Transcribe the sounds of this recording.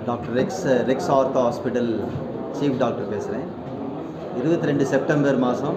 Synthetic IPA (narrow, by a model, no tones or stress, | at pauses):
ɖaːk̚ʈɐɾɾɪksɾɪksaːɾt̪oɦaːspɪʈɐl | t͡ʃiːfɖaːk̚ʈɐɾpeːsɪɾẽː | ɪɾɯbɐt̪ːiɾɛɳɖɯsɛp̚ʈɐmbɐɾmaːsɐ̃m